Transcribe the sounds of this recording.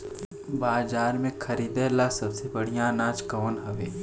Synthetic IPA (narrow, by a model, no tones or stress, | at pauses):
baːzaːɾmẽkʰɐɾiːd̪elasɐbsebɐɽ̤ijãnãːd͡ʒkɐːnɦɐʋeː